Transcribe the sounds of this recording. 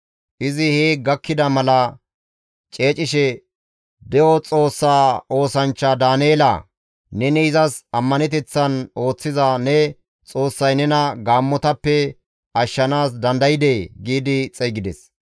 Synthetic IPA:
ʔɪzɪheːɡɐkːɪd̪ɐmɐlɐ | t͡ʃʼe̞ːt͡ʃʼɪʃɛ | d̪ɛɔt͡sʼo̞ːsːaːo̞ːsɐnt͡ʃːɐd̪aːnieːlɐ̰ | nɛnɛɪzɐsɐmːɐnɛt̪ɛt͡sːɐno̞ːt͡sːɪzɐnɛ | t͡sʼo̞ːsːɐjnɛnɐɡaːmːɔt̪ɐpːɛ | ɐʃːɐnaːs̬d̪ɐnd̪ɐjɪd̪eːɡiːd̪ɪt͡sʼɛɡɪd̪ɛs

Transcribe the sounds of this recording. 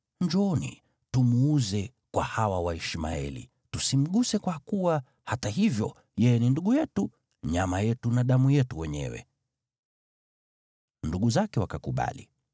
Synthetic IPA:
ɲd͡ʒɔnḭ | tumuuzɛ | kwahawawaɛʃima̰ɛ̰lḭ | tusim̩ɠusɛkwakuwa | hataɦivjɔ | jɛjɛninduɠujɛtu | ɲamajɛtunaɗamujɛtuwɛɲɛ̰wɛ̰ | nduɠuzakɛwakakuɓa̰lḭ

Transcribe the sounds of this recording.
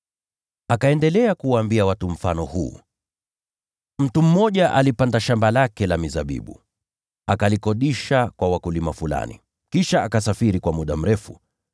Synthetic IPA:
akaɛndɛlɛakuwaːmbiawatum̩fa̰nɔhṵː | m̩tum̩mɔʄaʔalipandaʃambalakɛlamizaɓḭɓṵ | akalikɔɗiʃakwawakulimafula̰nḭ | kiʃaakasafiɾikwamuɗam̩ɾɛfṵ

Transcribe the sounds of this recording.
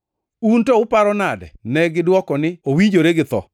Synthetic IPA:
untɔʊpaɾɔnadɛ̰nɛɡɪdwɔkɔnɪowid͡ʒoɾeɡɪt̪ɔ̰

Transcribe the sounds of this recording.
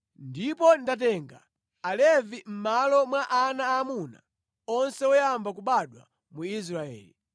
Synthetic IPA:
ndipɔndatɛŋɡa̰ː | lɛvim̩malɔmwaʔanaːmuna̰ | ɔnsɛɔjambak̬uɓaɗwa̰ | muis̬ɾaɛ̰ːli

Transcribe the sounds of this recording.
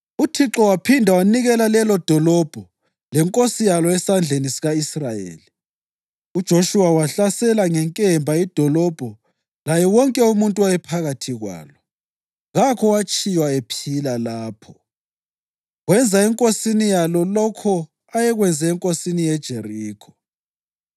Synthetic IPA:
utʰiǁɔwapʰindʱawaniɣɛlalɛlɔd̥ʱɔlɔb̥ʱɔ | lɛŋkʼosijalɔɛsand͡ɮʱenisiɣaisrajḛːli | ud̥ʒ̥ʱoʃuwawaɬasɛlaŋɛŋkʼɛmbʱaid̥ʱɔlɔb̥ʱɔ | lajɛwɔŋkʼɛumuntʼuwajɛpʰaɣatʰiɣwa̰ːlɔ | ɣakʰɔwat͡ʃʼijwaepʰilalaːpʰɔ | ɣwɛnd͡zʱaɛŋkʼosinijalɔlɔkʰɔ | ajɛɣwɛnd͡zʱɛɛŋkʼosinijɛd̥ʒ̥ʱeriːkʰɔ

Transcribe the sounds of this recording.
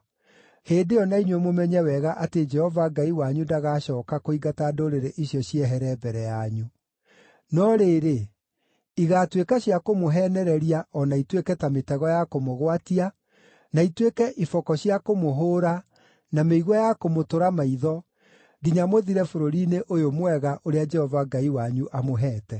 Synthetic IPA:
heːdeɔnaiɲwɔmomɛɲɛwɛɣaʔated͡ʒɛhɔvaɡaiwaɲudaɣaɕɔːkakoiɡatadoɾeɾeʔiɕjɔɕjɛɦɛɾɛbɛɾɛjaɲu | nɔɾeɾe | iɣatwekaɕjakomoɦɛnɛɾɛɾiaɔnaitwekɛtametɛɣɔjakomoɣwatia | naitwekɛʔifɔkɔɕjakomoɦoːɾa | nameiɣwajakomotoɾamaiðɔ | ɡiɲamoðiɾɛfoɾoɾineʔojomwɛɣaʔoɾead͡ʒɛhɔvaɡaiwaɲuʔamoɦɛːtɛ

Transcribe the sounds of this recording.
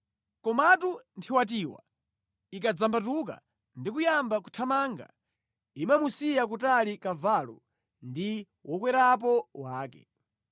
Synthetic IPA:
kɔmatuntʰiwat̬iːwa̰ | ik̬ad͡zambatuka̰ | ndik̬ujambaku̥tʰamaːŋɡa̰ | imamusijak̬utalikavalɔ̰ | ndi | wʔɔkwɛɾap̬ɔwaːkɛ̰

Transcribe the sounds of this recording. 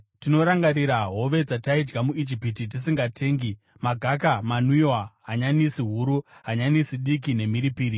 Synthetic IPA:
tino̞ɾaŋɡaɾiɾaɦo̞ʋe̞d͡zataid͡ʒɡamuid͡ʒipit̬it̬isiŋɡatʰe̞ːŋɡi | maɡʱakamanwiwaɦaɲanisiɦuɾuɦaɲanisiɗik̬ine̞miɾipiːɾi

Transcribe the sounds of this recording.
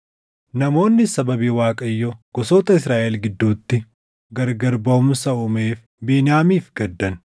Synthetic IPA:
nɐmo̞ːnːɪsɐbɐbiːwaːkʼɐjːɔɡ̥ɔsoːt̪ɐɪsɾaːʔɛlɡɪd̪ːuːt̪ːɪ | ɡɐɾɡɐɾbɐʊmsɐʊme̞ːf | biːnɪjaːmiːfɡɐd̪ːɐn

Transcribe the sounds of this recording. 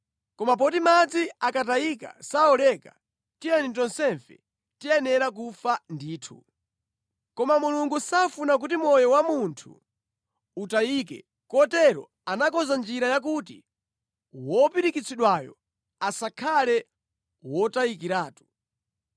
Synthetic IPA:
kɔmap̬ɔtimad͡ziakataika̰saɔlɛka̰ | tiɛnit̬ɔnsɛɱfɛ̰ | tiɛnɛɾak̬ufandiːtʰṵ | kɔmamuluŋɡusafunak̬utimɔjɔwamuntʰṵ | utaiːk̬ɛ̰ | kɔtɛɾɔ̰ | anakɔzand͡ʒiɾajak̬ut̬ḭ | wɔpiɾikit͡sʰiɗwajɔ̰ | asakʰalɛ | wɔtaikiɾaːtu̥

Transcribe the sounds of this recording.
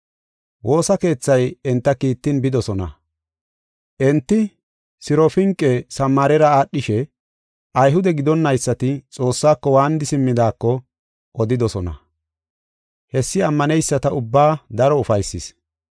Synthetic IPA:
wo̞ːsɐke̞ːt͡sːɐjɛnt̪ːɐkiːt̪ːɪnbɪd̪ɔsɔnɐ̰ | ʔɛnt̪ːɪ | sɪɾɔfɪŋkʼːɛsɐmːaːɾɛɾɐaːɗːɪʃɛ | ʔɐjɦʊd̪ɛɡɪd̪ɔnːɐjsːɐt̪ɪt͡sʼo̞ːsːaːkːɔwaːnd̪ɪsɪmːɪd̪aːkːɔ | ʔɔd̪ɪd̪ɔsɔnɐ̰ | hɛsːɪɐmːɐnɛjsːɐt̪ɐʊbːaːd̪ɐɾɔʊfɐjsːɪs

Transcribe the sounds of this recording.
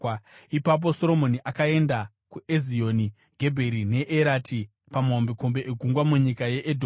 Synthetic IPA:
ipap̬o̞so̞ɾo̞mo̞niʔakae̞nda | kuezio̞ni | ɡʱe̞bʱe̞ɾine̞ʔeɾatʰi | pamaombeko̞mbe̞ʔeɡʱuŋɡwamuɲikaje̞ʔedʱo

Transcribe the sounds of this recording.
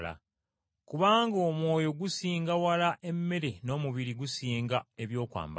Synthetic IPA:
la̰ | kuβaːŋɡoːmwo̞ːjo̞ɡusiːŋɡawalaʔe̞mːe̞ɾe̞no̞ːmuβiɾiɡusiːŋɡae̞βjo̞ːkwa̰ːmb

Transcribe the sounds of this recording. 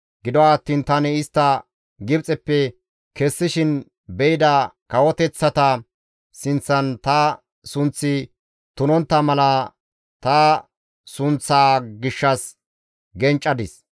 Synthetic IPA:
ɡɪd̪ɔwaːt̪ːiːnt̪ɐnɛɪst̪ːɐ | ɡɪbt͡sʼɛpːɛ | kɛsːɪʃɪn | bɛjɪd̪ɐkɐwɔt̪ɛt͡sːɐt̪ɐ | sɪnt͡sːɐnt̪ɐ | sʊnt͡sːɪ | t̪ʊnɔnt̪ːɐmɐlɐ | t̪ɐ | sʊnt͡sːaːɡɪʃːɐs | ɡɛnt͡ʃʼːɐd̪ɪs

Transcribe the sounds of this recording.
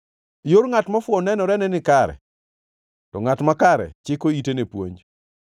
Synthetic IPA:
joɾŋatmafwɔnɛnɔɾɛnɛnɪkaɾɛ̰ | tɔŋatmakaɾɛ̰t͡ʃɪkoitenepwo̰ɲ

